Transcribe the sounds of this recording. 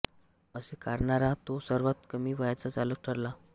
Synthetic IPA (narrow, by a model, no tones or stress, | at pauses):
əsekaɾɳaɾat̪osəɾʋat̪kəmiːʋəjat͡sat͡salək̚ʈʰəɾla